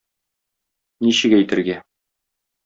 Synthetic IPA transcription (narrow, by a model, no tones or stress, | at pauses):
niɕɘ̆ɡæjt̪ɘ̆ɾɡæ